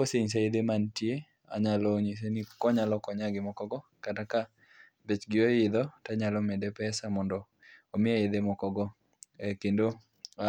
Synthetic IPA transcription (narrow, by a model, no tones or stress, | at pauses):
oseɲs̬eed̪emantje | a̰ɲalɔɲes̬enikɔɲalɔkɔɲaɡɪmɔkɔɡɔkataka | bet͡ʃɡɪojɪd̪ɔtaɲalɔmedepɛsamɔndɔ | omɪeed̪emɔkɔɡɔ | ɛkendo